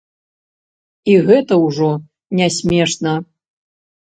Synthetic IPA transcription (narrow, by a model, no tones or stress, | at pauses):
iɣɛt̪ɐwʐɔ | nʲɛsʲmʲɛʂnɐ